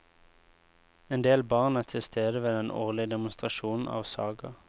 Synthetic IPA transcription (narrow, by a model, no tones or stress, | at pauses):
eːnd̪eːlbɑːʁnæːʁt̪ʰɪlst̪ʰeːd̪əʋeːd̪ɛnʔo̰ːʁlɪəd̪ɛmʊnst̪ʁɑʃuːn̩ʔɑ̰ːʋsɑ̰ːɡɑ